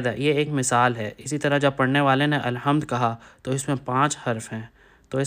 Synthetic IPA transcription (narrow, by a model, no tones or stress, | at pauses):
d̪ajeeːkmɪsaːlɦɛːɪsit̪ɐɾad͡ʒɐb̚pɐɽneʋaːleneʔɐlɦəmd̪kɐɦat̪oɪsmẽpãːt͡ʃhɐɾfɦɛ̃ː | t̪oːɪ